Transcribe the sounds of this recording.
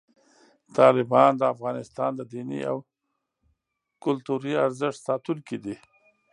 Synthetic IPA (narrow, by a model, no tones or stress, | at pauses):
t̪ɑlɪbɑnd̪əafɣɑnɪst̪ɑnd̪əd̪inḭa̰w | kʊlt̪uɾiaɾzɪʂsɑt̪uŋkid̪i